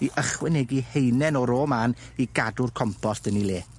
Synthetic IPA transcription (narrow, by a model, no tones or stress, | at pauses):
iʔəχwɛnɛɡihejnɛnɔɾɔːman | iɡadʊrkʰɔmpʰɔsdənilˠeː